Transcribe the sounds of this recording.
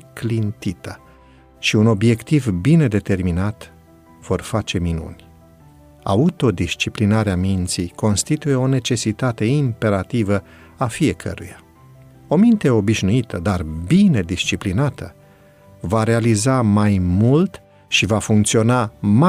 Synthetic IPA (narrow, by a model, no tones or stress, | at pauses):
klint̪it̪ə | ʃiuno̞bje̞kt̪ivbine̞d̪e̞t̪e̞rminat̪ | v̥o̞rfat͡ʃe̞minṵnʲ | a̰ut̪o̞d̪ist͡ʃiplinaɾeamint̪sijko̞nst̪it̪uje̞o̞ne̞t͡ʃe̞sit̪at̪e̞impe̞ɾat̪ivə | afije̞kʰə̰ɾuja | o̞mint̪e̞o̞biʃnuit̪əd̪arbine̞d̪ist͡ʃiplinat̪ʰə | vaɾe̞alizamajmult̪ | ʃivafuŋkt̪sio̞nama